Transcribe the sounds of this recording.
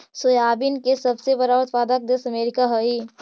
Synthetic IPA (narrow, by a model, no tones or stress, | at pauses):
sojaːbinkesəbsebəɾaət̪paːd̪ək̚d̪esəmeːɾɪkaɦəi